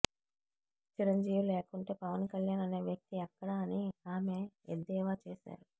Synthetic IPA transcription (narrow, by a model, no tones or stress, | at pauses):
t͡ʃiɾɐɲd͡ʒiːʋileːkuɳʈe̞ːpɐʋɐnkɐljaːnɐne̞ːʋjɐk̚t̪iɛkːɐɽɐniaːme̞ed̪ːɛːʋaːt͡ʃeːʃa̰ːɾu